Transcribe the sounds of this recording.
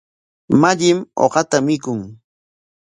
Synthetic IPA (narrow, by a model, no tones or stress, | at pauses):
maʎɪmo̰ɢɑt̪amɪkʊŋ